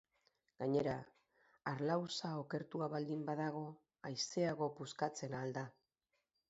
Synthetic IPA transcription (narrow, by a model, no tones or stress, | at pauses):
ɡ̥aɲe̞ɾaː | ɾlawsao̞ke̞ɾt̪uaβald̪imbaðaɣ̞o̞ | ajse̞aɣ̞o̞puskat͡se̞nald̪a